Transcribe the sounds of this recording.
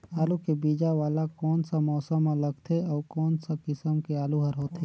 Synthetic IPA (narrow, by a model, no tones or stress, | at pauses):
aːlukebiːd͡ʒaʋaːlakɔːnsamɔːsəmãləɡt̪ʰeɔːɾkɔːnsakɪsəmkeaːluɦəɾɦoːt̪ʰe